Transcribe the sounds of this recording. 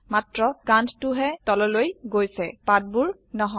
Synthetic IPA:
matɹɔkanttʊɦɛtɔlɔlojɡojsɛpat̚buɹ | nɔɦɔ

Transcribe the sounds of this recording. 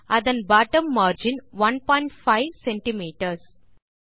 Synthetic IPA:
ɐd̪ɐ̃nbaːʈə̃mːaːɾd͡ʒɪ̃nʋɐ̃npɔ̃ːɪ̃ɳʈfaɪʋsɛ̃ɳʈimiːʈəɾs

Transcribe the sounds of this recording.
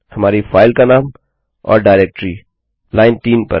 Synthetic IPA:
hɐmaːɾifaːɪlkanaːm | ɔ̰ːɾɖaːɾeːk̚ʈɾiː | laːɪnʈ̪iːnpɐ̰ɾ

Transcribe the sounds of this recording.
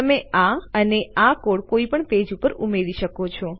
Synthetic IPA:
əmeaəneakoɽkoipəɳt̪ed͡ʒupəɾumeɾiʃəkot͡ʃʰɔ

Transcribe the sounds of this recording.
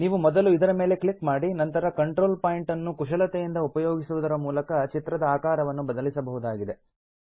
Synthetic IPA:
niːʋumɔd̪ɐluid̪ɐɾɐme̞ːle̞kɭikmaːɽinɐnt̪ɐɾɐkɐɳʈɾoːlpaːjiɳʈɐnːukuʂɐlɐt̪ejind̪ɐupɐjoːɡisuʋud̪ɐɾɐmuːlɐkɐt͡ʃit̪ɾɐd̪ɐaːkaːɾɐʋɐnːubɐd̪ɐlisɐbɐɦud̪aːɡid̪e̞

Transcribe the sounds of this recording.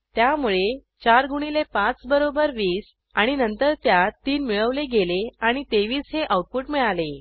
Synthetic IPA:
t̪jamuɭe | t͡ɕaɾɡuɽ̃ilepãt͡sbəɾobəɾʋiːs | aɽ̃inənt̪əɾt̪jat̪iːnmiɭəʋleɡeleaɽ̃it̪eʋiːsɦeʔawʈ̚puʈmiɭale

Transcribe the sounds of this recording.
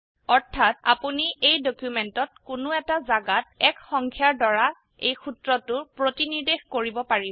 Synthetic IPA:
ɔɹtʰːata̰puniʔejdokjumentɔt̚kʊnʊɛtazaɡatɛkxɔŋkʰjaɹdɔɹa | ejxutɹɔtʊpɹotiniɹdexkoɹibɔpaɹi

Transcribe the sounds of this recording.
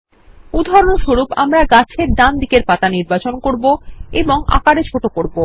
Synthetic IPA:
ud̪ʱɔɾoɳoʃoɾupa̰mɾaɡat͡ɕʰeɾd̪and̪ikeɾpat̪aniɾbat͡ɕonkoɾboeboŋa̰kaɽet͡ɕʰoʈokoɾbo

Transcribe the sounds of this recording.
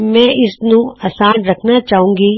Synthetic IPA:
mɛ̃ːɪsnũɐsaːnɾɐkʰnat͡ʃaːɦũːŋɡiː

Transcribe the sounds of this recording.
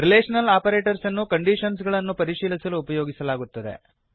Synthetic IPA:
ɾileːʂɐnɐlaːpɐɾeːʈɐɾsɐnːukɐɳɖiːʂɐns̬ɡɐɭɐnːupɐɾiʃiːlisɐluːpɐjoːɡisɐlaːɡut̪ːɐd̪e̞̰

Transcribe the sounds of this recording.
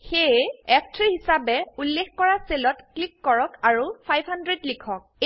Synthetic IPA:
xejɛpʰtʰɹihisabɛulːexkɔɹaselɔtklikːɔɹɔkaɹupʰajbʱhandɹedlikʰɔk̚

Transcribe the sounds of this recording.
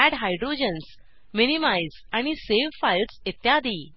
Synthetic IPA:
æɽɦajɖɾod͡ʑəns | minimajzaɽ̃iseʋfajlset̪jad̪iː

